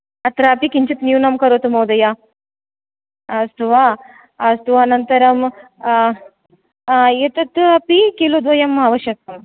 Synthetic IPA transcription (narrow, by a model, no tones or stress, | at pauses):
ɐt̪ɾaːpikiɲt͡ʃit̪njunɐmkɐɾot̪umɐwd̪ɐja | ɐst̪uʋaː | st̪uʋaːnɐnt̪ɐɾɐm | jet̪ɐt̪ɐpikelod̪ʋɐjɐmːaʋɐʃjɐk̚ɐm